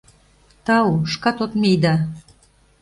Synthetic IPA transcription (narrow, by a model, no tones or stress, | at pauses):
t̪ɑuʃkɑt̪ot̪mejd̪ɑ